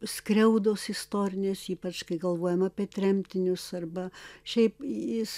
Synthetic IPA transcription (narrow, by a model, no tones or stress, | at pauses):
skrʲɛʊd̪oːsɪst̪oːɾʲɪnʲeːsiːpɐt͡ʃkɐɪɡɐlˠʋoːjɛmɐːpʲiɛt̪ʲɾʲɛmʲt̪ʲɪnʲʊsɐrbɐʃʲɛɪpjɪs